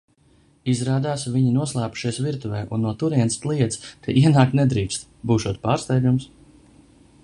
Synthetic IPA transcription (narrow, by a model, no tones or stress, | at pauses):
izɾaːd̪aːsviɲinuɔslˠaːpu̥ʃiɛsviɾt̪uvɛːʔunːuɔt̪uɾiɛnst̪lˠiɛt̪sk̪ʰɛ̰ʔiɛnaːkt̪nɛd̪ɾiːkst̪ | buːʃuɔt̪̚paːɾst̪ɛjɡ̪ʲums